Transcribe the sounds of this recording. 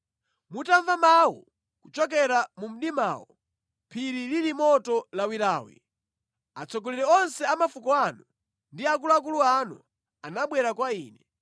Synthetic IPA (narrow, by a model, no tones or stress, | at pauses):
mutaɱvamawɔ̰ | kut͡ʃɔk̬ɛɾamum̩ɗima̰ːwɔ | pʰiɾililimɔtɔlawiɾaːwḭ | at͡sɔkɔliɾɛɔnsɛamafukɔanu | ndiak̬uluak̬uluanu | anaɓwɛɾakwaiːnɛ